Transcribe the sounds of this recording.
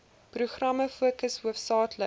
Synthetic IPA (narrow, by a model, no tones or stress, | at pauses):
pruχrɐməfuəkəsɦuəfsɑːtʰlə